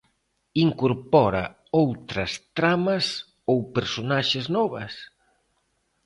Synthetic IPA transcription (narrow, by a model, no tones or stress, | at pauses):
iŋkoɾpɔɾɐ̰ | owt̪ɾɐst̪ɾamɐs | owpeɾsonaʃeznɔβɐ̰s